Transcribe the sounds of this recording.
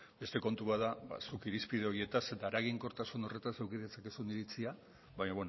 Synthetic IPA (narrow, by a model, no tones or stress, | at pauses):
be̞st̪e̞ko̞nt̪uβaðaba̰sukiɾispið̞e̞o̞ie̞t̪aset̪aːɾaɣ̞iŋko̞ɾt̪asuno̞re̞t̪ansewkiðet͡sake̞suniɾit͡sia | βaɲaβen